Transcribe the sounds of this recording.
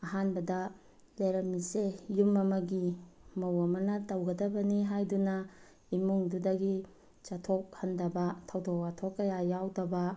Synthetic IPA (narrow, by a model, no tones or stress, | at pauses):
ɐɦanbɐdɐ | leɾɐmisejumɐmɐɡimɐwɐmɐnɐtowɡɐdɐbɐniɦajdunɐ | imuŋdudɐɡi | t͡ʃɐtʰok̚hɐndɐbɐtʰɐwdokatʰokːɐjajawdɐbɐ